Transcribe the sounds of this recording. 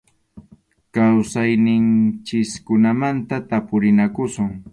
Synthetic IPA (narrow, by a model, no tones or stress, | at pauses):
kawsajnɪnt͡ʃɪskʊnamant̪at̪apʊɾɪnakʊsʊŋ